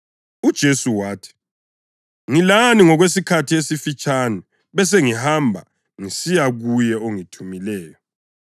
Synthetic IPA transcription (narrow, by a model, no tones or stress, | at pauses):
ud̥ʒ̥ʱesuwaːtʰi̥ | ŋilaniŋɔɣwes̬ikʰatʰiesifit͡ʃʼanɛ | βɛs̬eŋihambʱa̰ | ŋisijaɣujɛoŋitʰumilɛːjɔ